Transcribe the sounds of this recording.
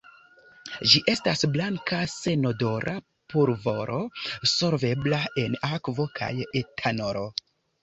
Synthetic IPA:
d͡ʒiʔe̞stasblaŋkase̞no̞do̞ɾʔa̰ | puɾvo̞ɾʔo̞so̞ɾve̞blae̞nakvo̞kʰa̰jetʰanoɾo

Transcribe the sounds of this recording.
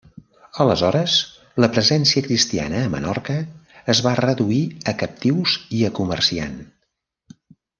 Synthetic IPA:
ələzɔɾəs | ləpɾəzɛnsiəkɾist̪ia̰nəːmə̰nɔ̰rkəːzβarəðuiəkəp̚t̪iwziəkumə̰rsia̰n

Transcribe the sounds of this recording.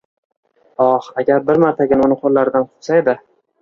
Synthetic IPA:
ɒχaɡʲaɾbɪɾmaɾt̪ʰaɡʲanʊnɪqʰolːaɾɪd̪anq̪ʰʊ̥qsaed̪ɪ

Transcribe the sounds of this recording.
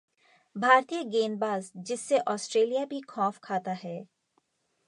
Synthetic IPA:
bʱaːɾt̪ijəɡeːnbaːzd͡ʒɪsːeʔɔːsʈɾeːlijabʱikʰɔ̃ːfkʰaːt̪aɦɛː

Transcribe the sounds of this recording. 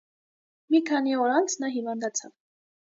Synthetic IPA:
mikʰɑniɔɾɑnt͡sʰnɑɦivɑnd̪ɑt͡sʰɑv

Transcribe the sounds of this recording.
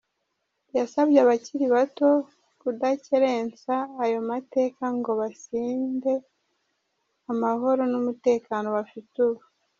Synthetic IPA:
jasabjeaβaciɾiβato̞ | kudaceɾe̞ːnt͡saːjo̞mate̞ːkaŋɡo̞βasiːnde̞ | amaɦo̞ɾo̞numute̞ːkaːno̞βafituβu

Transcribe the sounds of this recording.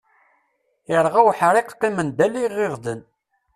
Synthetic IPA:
əɾˤʁawħɾˤiqqːimənd̪ælːiʁeʁðən

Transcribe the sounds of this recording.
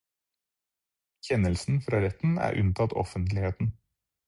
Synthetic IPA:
çɛnəlsn̩fɾɑːɾɛt̪n̩æ̰ːɾʔʉ̰nt̪ʰɑt̪ɔ̰fənt̪lɪheːt̪n̩

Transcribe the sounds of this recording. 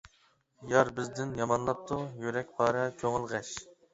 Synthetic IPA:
jɑɾbɪzd̪ɪnjɑmɑnlˠɑp̚t̪ʰujyɾɛk̚ʲpʰɑːɾɛkʲʰøŋɨlˠʁɛʃ

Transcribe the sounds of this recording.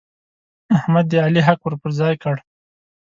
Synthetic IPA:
ahmad̪ːəaliɦakwəɾpəɾzɑjkəɽ

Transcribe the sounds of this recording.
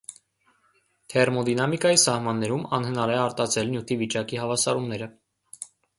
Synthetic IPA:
t̪ʰɛrmɔd̪inɑmikɑjisɑhmɑnːɛɾumɑ̰nhənɑɾɛɑɾt̪ɑt͡sʰɛlnjut̪ʰivit͡ʃɑkihɑvɑsɑɾumnɛɾə

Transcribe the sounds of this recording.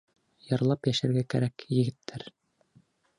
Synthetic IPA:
jɑɾlˠɑpjæʃæɾɡækæɾækjɘ̆ɡɘ̆t̪ʰːæɾ

